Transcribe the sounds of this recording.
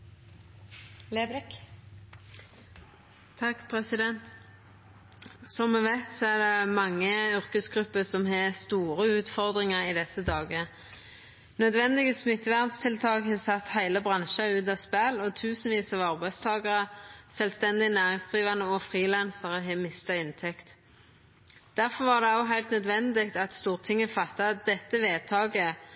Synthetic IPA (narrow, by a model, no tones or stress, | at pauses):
lebk | t̪ʰɑkpʰʁɛsɪd̪ɛnt̪ | sɔmːɛʋæɪt̪sɔɛd̪ɛmɑŋːəʏʁkəsɡʁʉpːəsɔmɦeːst̪uːɾəʉːt̪fɔʁd̪ʁɪŋəʁɪd̪ɛsəd̪ɑːɡə | nœd̪ʋɛnd̪ɪɡəsmɪt̪ːʋæʁnst̪ʰɪlt̪ʰɑːkhɑːsɑt̪hæɪləbʁɑnʃɑʉːt̪̬ɑspælɔt̪ʰʉːsn̩ʋiːsɑʋɑʁbæɪst̪ʰɑːɡɑʁəsɛlst̪ɛnd̪ɪənæːʁɪŋsd̪ʁiːʋɑnəɔfʁiːlɛnsəʁəɦɛːmɪst̪ɑɪnt̪ʰɛkt̪ | d̪̥æʁfɔʁʋɑʁd̪ɛɑʊɦæɪlt̪nœd̪ʋɛnd̪ɪk̚t̪ɑt̪st̪uːʁt̪ʰɪŋːəfɑt̪ːɑd̪ɛt̪ːəʋeːt̪ʰɑːɡə